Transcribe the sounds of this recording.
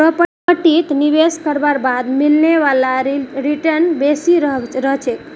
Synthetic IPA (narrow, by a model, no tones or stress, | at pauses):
pɾəpə | əʈit̪niβeskəɾbaɾbad̪milneʋalaɾiʈəɾnbesiɾɦɾəɦt͡ʃʰek̪